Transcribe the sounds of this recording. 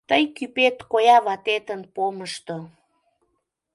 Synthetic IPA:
t̪əjkypet̪kojɑβɑt̪et̪ənpoməʃt̪o

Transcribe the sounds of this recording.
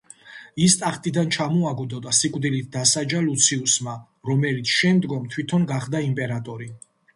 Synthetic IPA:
ist̪ʼaχt̪ʼid̪ant͡ʃʰamɔaɡud̪ɔd̪asikʼvd̪ilit̪̚ʰd̪asad͡ʒalut̪sʰiusma | ɾɔmɛlit̪sʰʃɛmd̪ɡɔmt̪ʰwit̪ʰɔnɡaχd̪aimpʼɛɾat̪ʼɔɾi

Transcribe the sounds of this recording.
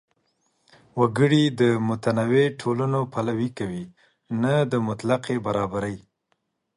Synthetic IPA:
waɡəɽid̪əmʊt̪anaweʈʰolanopalawikawi | nad̪əmʊt̪laqebaɾɑbaɾəj

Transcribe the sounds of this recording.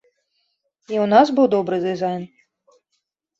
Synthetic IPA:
iunasbɨwd̪ɔbɾɨd̪ɨzajn

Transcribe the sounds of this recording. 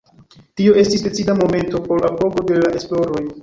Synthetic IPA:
tio̞e̞stisde̞t͡sidamo̞me̞nto̞po̞ɾapo̞ɡo̞de̞laʔesplo̞ɾo̞j

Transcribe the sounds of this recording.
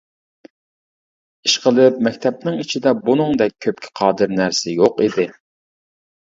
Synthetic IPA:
iʃqəlˠɪp̚mɛkʲt̪ʰɛp̚nɪŋit͡ʃʰid̪ɛbunɨŋd̪ɛk̚ʲʰːøp̚kʲʰɪ̥qʰɑːd̪ɨɾnæɾsɪjoqid̪ɪ

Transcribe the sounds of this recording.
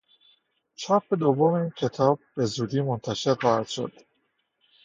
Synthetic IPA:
t͡ʃʰɒpʰed̪ovːomeiːncʰe̞t̪ʰɒːb̚ːe̞zuːd̪iːmo̞nt̪ʰæʃe̞ɾxɒːhæd̪̥ʃo̞̰d̪̥

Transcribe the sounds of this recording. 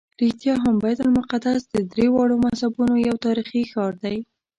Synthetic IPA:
ɾɪxt̪jɑɦambajt̪almʊqad̪asd̪əd̪ɾewɑɽomashabunojawt̪ɑɾixixɑɾd̪aj

